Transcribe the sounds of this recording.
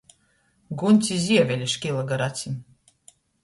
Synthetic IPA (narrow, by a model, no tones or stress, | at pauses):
ɡunʲt̪sʲizʲiɛvʲɛlʲiʃkʲilˠaɡaɾat̪sʲim